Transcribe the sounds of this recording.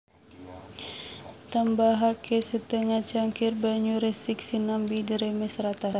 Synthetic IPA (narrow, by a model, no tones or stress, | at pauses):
t̪ambaɦakʰesət̪əŋat͡ʃaŋkirbaɲuɾɛsiksinambidiɾɛmɛsɾat̪a